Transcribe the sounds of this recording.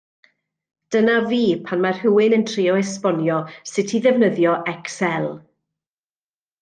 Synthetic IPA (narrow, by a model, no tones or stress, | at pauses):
d̥ənaviːpʰanmar̥hʊwɪnəntʰriːɔɛspɔnjɔsɪtʰiðɛvnəðjɔʔɛksɛlˠ